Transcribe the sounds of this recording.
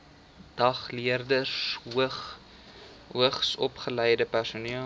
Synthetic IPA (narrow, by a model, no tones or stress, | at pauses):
d̥ɐχliərdəs | uəχsɔpχəlɛjdəpærsuniə